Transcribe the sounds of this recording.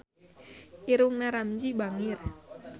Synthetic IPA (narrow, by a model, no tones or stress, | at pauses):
ʔiɾuŋnaɾamd͡ʒibaŋir